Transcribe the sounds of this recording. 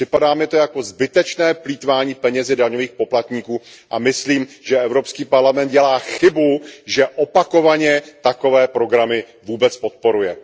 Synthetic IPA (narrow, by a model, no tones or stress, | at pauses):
pr̥ɪpadaːmɪt̪o̞jako̞zbɪt̪ɛt͡ʃnɛːpliːt̪vaːɲiːpɛɲɛzɪdaɲo̞viːxpo̞plat̪ɲiːkuː | ʔamɪsliːmʒ̥ɛɛvɾo̞pskiːpaɾlamɛnt̪̚ɟɛlaːxɪbuʒɛʔopako̞vaɲɛt̪ako̞vɛːpɾo̞ɡɾamɪ | vuːbɛt͡spot̪̚po̞ɾujɛ